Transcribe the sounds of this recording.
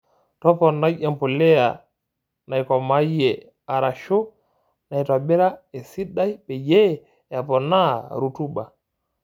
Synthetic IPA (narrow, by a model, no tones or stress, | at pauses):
tɔpɔnːajɛmpulɛa | najkɔmajɛ | aɾaʃo | najtɔbɛɾaɛsiɗːajbɛjɛ | apɔnaɾutuba̰